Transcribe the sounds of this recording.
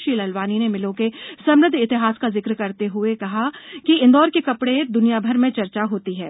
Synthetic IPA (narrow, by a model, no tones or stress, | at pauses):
ʃiːlɐlbaːninemɪlõkesɐmɾɪd̪ʱɪt̪ɪɦaːskazɪkɾkɐɾt̪eɦʊekɐɦakiɪ̃nd̪ɔːɾkekɐpɽed̪ʊnijabʱɐɾmẽt͡ʃɐɾt͡ʃaɦoːt̪iɦɛ̰ː